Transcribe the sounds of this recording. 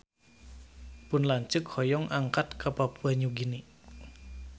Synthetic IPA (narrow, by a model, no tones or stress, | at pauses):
punlaɲt͡ʃɨk̚hɔjɔŋʔaŋkat̪̚kapapuaɲuɡini